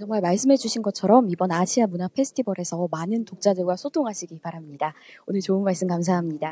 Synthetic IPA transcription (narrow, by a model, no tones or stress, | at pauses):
t͡ɕʌŋmaɭmaɭs͈ɯmɦe̞d͡ʑuɕʰinɡʌt͡ɕʰʌɾʌmibʌnaɕʰiamunapʰe̞sʰɯ̥tʰibʌɾe̞sʰʌmanɯntok̚t͡ɕ͈adɯɭɡwasʰotʰoŋɦaɕʰiɡipaɾamɲidaonɯɭt͡ɕoɯnmaɭs͈ɯmkams̬ʰaɦamɲida